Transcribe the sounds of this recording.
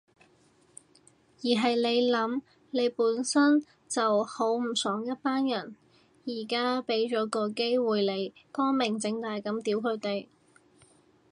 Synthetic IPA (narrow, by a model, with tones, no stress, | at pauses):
jiː˨˩ɦɐ˨jle˨˧jlɐ˨˥m | ne˨˧jpuː˨˥nsɐ˥n | t͡sɐ˨who˨˥wm̩˨˩sɔː˨˥ŋjɐ˥t̚paː˥njɐ˨˩n | jiː˨˩kaː˥pe˨˥jt͡ʃɔː˨˥kɔː˧ke˥jwuː˨jle˨˧jkɔː˥nmɪ˨˩ŋt͡sɪ˧ŋt̪aː˨jkɐ˨˥mt̪iː˨˥wkʰɵ˨˧ɥt̪e˨j